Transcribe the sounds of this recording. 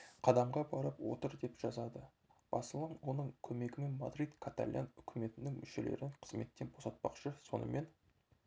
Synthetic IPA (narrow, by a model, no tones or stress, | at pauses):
qʰɑd̪ɑmʁɑbɑɾəpwo̞̰t̪əɾd̪e̞pʒ̥ɑzɑd̪ə | b̥ɑsəlˠʁɑnwo̞nəɴkʲʰɵme̞ɡʲɪme̞nma̰d̪ɾijd̪kʰat̪a̰lʲjʔa̰nʏkʲʰɪme̞t̪ɪnɪŋmʔʏʃe̞le̞̰ɾɪɴqʰə̥zme̞t̪ːe̞nbo̞sɑt̪̚pɑ̰qʃəso̞̰nə̰mʔe̞n